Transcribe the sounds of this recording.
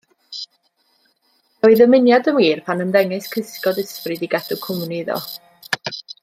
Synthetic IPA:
ɔɨðəmɪnjadəmwiːrpʰanəmðɛŋɨskʰɨskɔdɪsprɨdiɡɛdʊkʰʊmnɪðɔ̰

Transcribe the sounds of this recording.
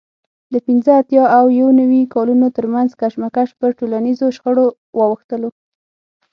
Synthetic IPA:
d̪əpinzəat̪jɑawjawonawikɑlunot̪əɾmanzkaʃmakaʃpəɾʈolanizoʃxəɽo | wɑwəxt̪əlo

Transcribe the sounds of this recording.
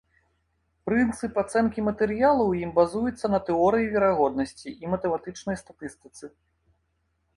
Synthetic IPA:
pɾɨnt̪sɨpat̪sɛnkʲimɐt̪ɛɾɨjalˠɐwjimbazujut̪sːɐnɐt̪ɛɔɾɨjivʲɛɾaɣɔd̪nɐsʲt͡sʲiʔimɐt̪ɛmat̪ɨt͡ʂnɐjst̪at̪ɨst̪ɨt̪sɨ

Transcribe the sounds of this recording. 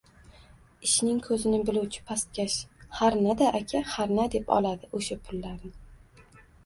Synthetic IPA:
ɪʃnɪŋkʰɵzɪnɪbɪluwt͡ʃʰɪ̥pʰast̪̚kʲaʃhaɾnad̪aʔakʲʰahaɾnad̪e̞pʰɒ̰lˠad̪ɪʔɵʃapʰʊlːaɾnɪ

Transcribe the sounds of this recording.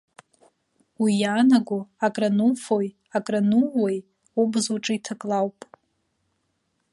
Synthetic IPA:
wijaːnaɡʷʊakʼranufoj | akʼranuwej | ubzoʈ͡ʂʼɨitʰakʼlawpʼ

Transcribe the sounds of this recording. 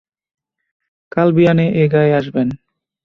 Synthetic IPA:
kalbianeʔeɡaeaʃben

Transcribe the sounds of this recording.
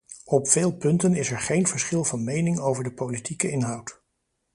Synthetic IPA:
ɔpfeːlˠpɵntənɪsɛɹχejnv̥əɹsχɪlˠvɑnmejnɪŋowvəɹdəpolitikəɪnɦɑwt

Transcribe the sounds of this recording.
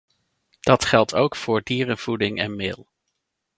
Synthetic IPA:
d̥ɑtχɛlˠtʰowkfʊːɹdiːrənv̥udɪŋʔɛnmɪːlˠ

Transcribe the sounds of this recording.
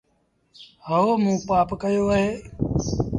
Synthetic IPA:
həoːmũːpaːpkəjoːəɦeː

